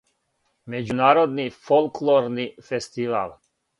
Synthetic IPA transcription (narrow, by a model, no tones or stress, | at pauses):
med͡ʑunaːɾod̪nifolˠkloɾnifest̪iʋa̰ːlˠ